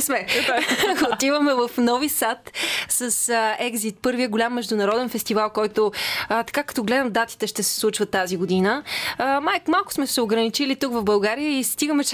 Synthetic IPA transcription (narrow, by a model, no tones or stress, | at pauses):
smɛ | ot̪ivəmɛvəfnɔvisat̪səsəɛɡzit̪̚pɤɾviəɡolʲamːɛʒd̪ʊnɐɾɔd̪ɛnfɛst̪ivalˠkɔjt̪oət̪ɐ̥kakɐt̪ɔɡlɛd̪əmd̪at̪i̥t̪ɛʃt̪ɛsɛ̥slˠut͡ʃvət̪ːaziɡod̪inəmajkmalˠkʊ̥smɛsɛoɡɾənit͡ʃilit̪ukvɐvbɐlˠɡaɾijəist̪iɡəmɛt͡ʃ